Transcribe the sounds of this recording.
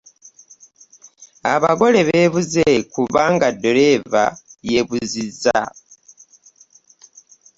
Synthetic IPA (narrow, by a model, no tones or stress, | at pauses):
aβaɡo̞le̞βe̞βuzekuβaŋɡadːoɾe̞va̰je̞βuziza